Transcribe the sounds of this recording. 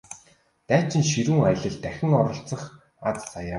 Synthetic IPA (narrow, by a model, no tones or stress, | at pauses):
t̪æːt͡ɕɪ̆nʃiɾɘ̆ŋaj̆ɮə̆ɮt̪æxʲɪ̆ŋɔɾɞ̆ɬt͡sə̆χ | at͡ssaja